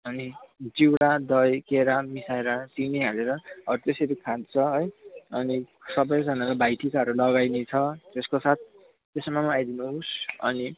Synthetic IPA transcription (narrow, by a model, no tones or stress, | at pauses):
ʌnid͡ziwɽad̪ʌjkeɾamisajɾat͡sineɦʌleɾʌʌɾut̪eseɾikʰãd̪̚t͡sʰʌɦʌjʌni | sʌbʌjd͡zʌnalabʱajʈʰikaʌɾulʌɡajnet͡sʰʌt̪eskosat̪̚ʰ | t̪esʌmamʌajd̪inusʌ̰ni